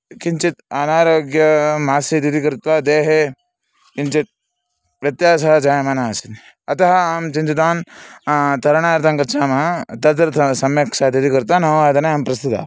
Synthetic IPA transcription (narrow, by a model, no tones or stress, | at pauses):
kiɲt͡ʃit̪ɐnaːɾoːɡjɐmaːsit̪id̪ikɐɾt̪ʋad̪eːɦe | kint͡ʃit̪̚ | ʋjɐt̪jaːsɐɦɐd͡ʒaːjɐmaːnaːsit̪ | ɐt̪ɐɦɐaːmt͡ʃint̪it̪aːn | t̪ɐɾɐɳaːɾt̪ɐŋkɐtt͡ʃʰaːmɐɐt̪ɐt̪ɾɐsɐmjɐkʃad̪it̪ikɐɾt̪ʋanɐʋaːd̪ʱɐneaːmpɾɐst̪it̪a̰ː